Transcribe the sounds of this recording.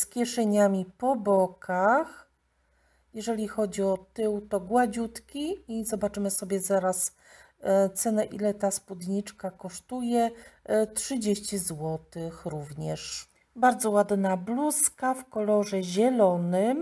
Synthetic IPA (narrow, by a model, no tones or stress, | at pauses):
skʲjɛʂɛɲamʲipɔbɔkʰax | jɛʐɛlʲixɔd͡ʑiɔt̪ɘwt̪ɔɡwad͡ʑut̪kʲiizɔbat͡ʂɘmɘsɔbʲjɛzaɾas | t̪sɛnɛʔḭlɛt̪aspud̪ɲit͡ʂkakɔʂt̪ujɛtʂɘd͡ʑeɕt͡ɕizwɔt̪ɘxɾuvɲɛʂ | baɾd̪zɔwad̪nabluskafkɔlɔʐɛʑɛlɔnɘm